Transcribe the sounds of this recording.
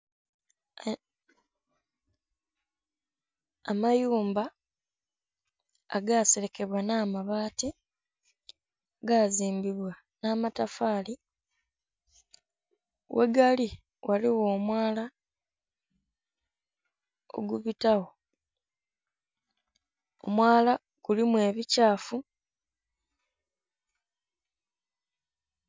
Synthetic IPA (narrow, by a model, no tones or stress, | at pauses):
majuːmba | a̰ɡaːseɾe̞ke̞βwanaːmaβaːti | ɡaːziːmbiβwa | naːmatafaːli | wʔe̞̰ɡali | waliwo̞ːmwaːla | o̰ɡuβitawo | o̰mwaːla | kulimwe̞ːβicaːfu